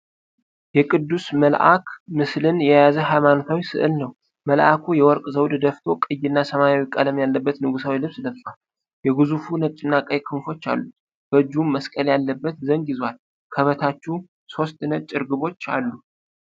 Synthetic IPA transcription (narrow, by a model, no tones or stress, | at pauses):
jɛkʼɨd̪ːusməlʔa̰kʰmɨslɨnjɛjazəɦajmanot̪ʰawisɨ̰ʔɨlnəw | məlʔakʰujɛwɔɾkʼzəwd̪d̪əft̪ʰo̞kʼɨjːɪnːasəmajawikʼələmjalːəbːət̪nɨɡusawilɨβsləft̪ʼal | jɛɡɨzufunət͡ʃ̪ʼɪnːakʼəjkʰɨmfo̞t͡ʃːa̰lːu | b̥əd͡ʒummːəskʼəljalːəbːət̪zəŋɡjɪzwal | kʰəβət̪ʰat͡ʃːɛw | so̞st̪nət̪̚t͡ʃʼːɪɾɡɨβo̞t͡ʃːa̰lːu